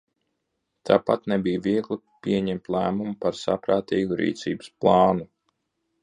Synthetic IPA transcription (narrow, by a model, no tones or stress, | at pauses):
t̪ʰaːpat̪nebijviɛɡlˠipiɛɲɛmt̪lˠæːmumupaɾsa̰pɾaːt̪iːɡuɾḭːt̪sḭːbɨsplˠɑːnu